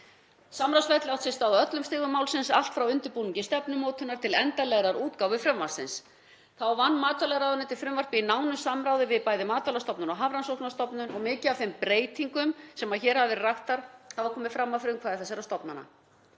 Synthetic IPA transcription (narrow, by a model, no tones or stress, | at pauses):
samɾawsvɛjt̪lawht̪sɪnst̪awðœt̪lʏmst̪ɪːɣʏmaːwlsɪnsal̥t̪fɾawʏnt̪ʏɾpuniɲcɪst̪ɛpnʏmoːt̪hʏnːaɾ̥t̪ʰɪlɛnt̪alɛɣɾaɾuːt̪̚kawvɪfɾɛmvasɪ̰ns | θawvanːmaːt̪alɛɣɾawðʏnɪt̪ʰɪlfɾʏmvar̥pɪinaːwnʏsamɾaːwðɪvɪðpaːjðɪmaːt̪alast̪ɔpnʏnawɦavɾansowknast̪ɔpnʏnɔɣmɪːcɪafɪmpɾeːjt̪iŋkʏmsɛmaðçɛːɾ̥havvɪraht̪aɾ̥θavakʰɔːmɪfɾamːafɪɾɪʏmkʰvaːðɪθasɛɾast̪ɔpnanːa̰